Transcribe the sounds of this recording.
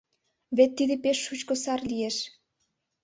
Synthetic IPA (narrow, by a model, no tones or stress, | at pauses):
βet̪ːid̪epeʃːut͡ɕkosɑrlijeʃ